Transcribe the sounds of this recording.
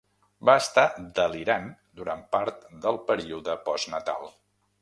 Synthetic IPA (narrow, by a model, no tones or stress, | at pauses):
baəst̪ad̪əliɾand̪uɾampaɾt̪d̪əlˠpəɾiuðəpɔznət̪a̰lˠ